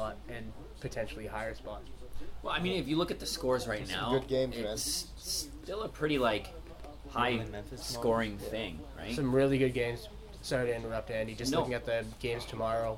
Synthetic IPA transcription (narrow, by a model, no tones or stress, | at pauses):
ɑɾ̚ɨ̃n | pʰɨtʰɛ̃nʃl̩ˠihaɪə˞spɑt̚wɛlˠaɪmĩnɨfjɨlʊkɨt̪̚ðɨskɔɹzɹaɪtⁿna̰mʊɡʊd̚ɡẽɪ̃mzɪ | stɪlˠəpʰɹ̥ɪɾilaɪk | haɪ̃ɛ̃nskɔɹɪ̃ŋθɪ̃ŋɹa̰ɪsʌ̃mɹɪlˠiɡʊd̚ɡẽɪ̃mz̥ | sɜɾ̃nə˞ʌp̚dæ̃nid͡ʒʌstʊkɪ̃ŋɨt̪̚ðɨɡ̥ẽɪ̃mz̥tʰəmɑɹoʊ